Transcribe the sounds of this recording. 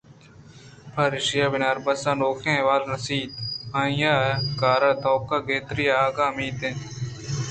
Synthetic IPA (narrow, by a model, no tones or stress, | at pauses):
pʰaɾɪʃɪjaːbɪnaːɾbɐsãːnoːkʰẽːʋaːlnɐsiːt̪ãːjaːkaːɾaːt̪oːp̚kaːɡeːt̪ɾiːaːɡaːmiːt̪ẽː